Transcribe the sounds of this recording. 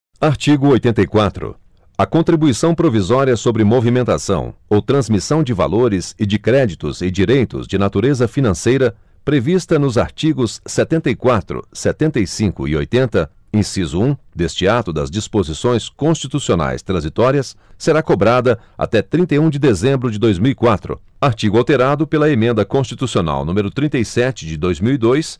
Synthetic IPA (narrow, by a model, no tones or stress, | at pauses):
aɾt͡ʃiɡʊojt̪ẽnt̪ɐjkwat̪ɾʊ̰ | ɐkõnt̪ɾibuisɐ̃w̃pɾovizɔɾiɐsobɾɪmovimẽnt̪asɐ̰̃w̃owt̪ɾɐ̃zmisɐ̃w̃d͡ʒɪva̰loɾɪzɪd͡ʒɪkɾɛd͡ʒit̪ʊ̰zɪd͡ʒiɾejt̪ʊ̰zd͡ʒɪnat̪uɾezɐfinɐ̃sejɾɐ | pɾevist̪ɐnʊza̰ɾt͡ʃiɡʊsːɛt̪ẽnt̪ɐikwat̪ɾʊ̰sɛt̪ẽnt̪ɐjsĩkʊɪ̰o̰jt̪ẽnt̪ɐ | ẽsizʊũd̪est͡ʃɪat̪ʊd̪ɐ̰zd͡ʒispozisõj̃skõst͡ʃit̪usiona̰jst̪ɾɐ̃zit̪ɔɾiɐsːeɾakobɾad̪ɐ | a̰t̪ɛt̪ɾĩnt̪ɐjũd͡ʒɪd̪ezẽmbɾʊd͡ʒɪd̪ojzmiwikwat̪ɾʊ̰aɾt͡ʃiɡʊawt̪eɾad̪ʊpelɐemẽnd̪ɐkõst͡ʃit̪usiona̰wnũmeɾʊt̪ɾĩnt̪ejsɛt͡ʃɪd͡ʒɪd̪ojzmiwid̪ojs